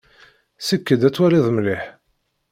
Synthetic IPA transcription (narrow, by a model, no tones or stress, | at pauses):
səkːəd̪æt͡sːwæliðˤmliħ